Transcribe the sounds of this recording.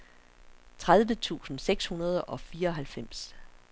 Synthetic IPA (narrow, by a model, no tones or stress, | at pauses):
t͡sʰʁað̞ˠʋət͡sʰṵːsn̩seɡ̥shunɐð̞ˠʔɒ̽fiːɐɒ̽ɦælfem̰s